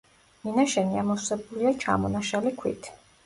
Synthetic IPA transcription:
minaʃɛniamɔsɛbuliat͡ʃʰa̰mɔnaʃalikʰwḭt̪ʰi̥

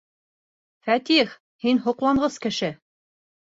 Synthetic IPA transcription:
fæt̪iχ | hinɦŏqlˠɑɴʁɤskɘ̆ʃɘ

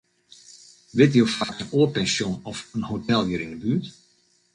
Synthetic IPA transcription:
ʋɪtjowfakənoːəpɛnsjonɔfənhotɛlˠjəɾindəbyːt

